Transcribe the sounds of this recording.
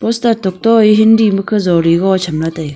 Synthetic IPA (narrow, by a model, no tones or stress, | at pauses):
pɔstatɔk̚tɔiɦindimɯkʰɯzɔwɾiɡɔt͡ʃʰamlataj